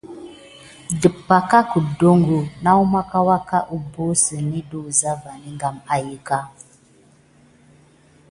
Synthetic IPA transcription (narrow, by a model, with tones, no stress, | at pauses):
də˨pːa˨ka˦ku˨do˦ŋɡu˨na˦wu˦ma˦ka˦wa˦ka˦ʔu˦bo˦sə˨ni˦duː˦˨za˦va˨ni˦ŋɡa˨ma˨jə˦ka˦